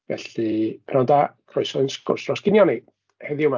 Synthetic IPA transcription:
vɛ̰ɬipʰnɔndakʰrɔɨsɔnskʊ̰rsrɔsɡ̥ɪnjɔni | hɛðiuma

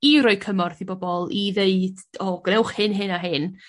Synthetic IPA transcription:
iɾɔːɨkʰəmɔrθibɔbɔlˠiðeɨd̥ɔːɡ̥ənɛwχhɨnɦɨnaɦɪn

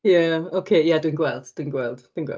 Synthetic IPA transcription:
jaokʰeːjadwinɡwɛlˠd̥d̥winɡwɛlˠd̥d̥winɡwɛ̰

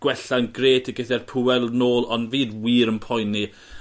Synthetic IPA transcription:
ɡ̥wɛɬanɡreːtʰiɡɪθɛrpʰuɛlˠnoːlˠɔnviːdwiːɾəmpʰɔjnːi

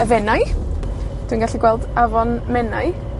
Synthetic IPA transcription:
əvɛnaj | d̥winɡaɬiɡwɛlˠdavɔnmɛnaj

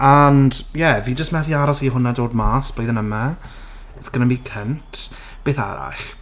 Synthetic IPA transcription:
andjɛviːd͡ʒəstmɛθiaɾɔsiɦʊnadoːd̚maːsb̥ojðənəma | θɡ̥ənabiːkʰəntʰ | b̥eːθa̰ɾa̰ɬ

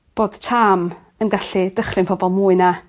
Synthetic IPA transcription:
b̥oːd̥tʰaːm | ənɡaɬidəχrɪnpʰɔbɔlˠmuːɨna

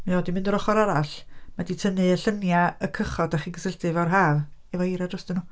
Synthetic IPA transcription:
mioːdimɪndəɾɔχɔɾaɾaɬmaditʰənɨəɬənjaəkʰəχɔdaχiɡəsəltɨvarɦaːvivajɾadrɔstd̥ɪnuː

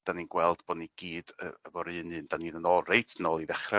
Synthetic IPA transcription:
d̥aniːnɡwɛlˠd̥bɔːniɡ̥iːd̥ə̰əvɔɾɨɨnɨːnd̥aniːnənɔrejtʰnɔlˠiðɛχrɛ

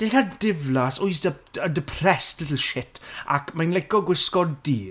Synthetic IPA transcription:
d̥ejɬadɪvlasʊɨs̬dəədəpʰrɛstʰlɪtl̩ˠʃɪtʰa̰kmajnlɛkɔɡwɪskɔddiː

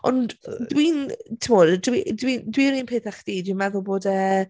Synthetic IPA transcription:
ɔ̰ndwiːntʰɪmɔddwidwindwiɾiːnpʰeːθaχd̥iːdwiːnmɛðʊlˠboːdəː

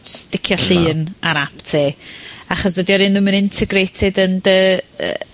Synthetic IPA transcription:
stɪkʰjɔɬɨːnaɾaptʰeːaχɔsðədiɔɾɨnðəmənɪntʰɛɡrejtʰɪdəndəə̰

